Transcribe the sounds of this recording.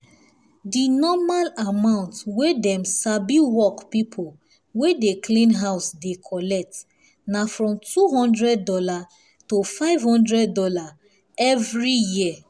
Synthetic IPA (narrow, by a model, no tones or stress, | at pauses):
dinɔmalamãʊ̃ntwedɛ̃msabiwɔkpipʰo | wedekʰlĩnɦaʊsdekʰɔlɛk̚t | nafɹɔ̃mtuɦɔ̃ndɹɛd̚ːɔla | tofaɪvhɔ̃ndɹɛd̚dɔla | ɛvɹijiə